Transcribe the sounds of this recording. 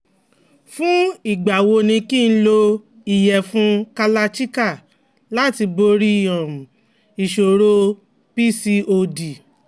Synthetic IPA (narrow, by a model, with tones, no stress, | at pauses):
fũ˦i˦˨ɡ͡ba˨wo˧nĩ˧ki˦˧n̩˦lo˧ | i˨jɛ˨fũ˦ka˧la˧t͡ʃi˦ka˦˨ | la˦ti˧bo˧ɾi˦i˦˨jɔ̃˨m˨ | i˨ʃo˨ɾo˧ | pi˦si˧o˧di˨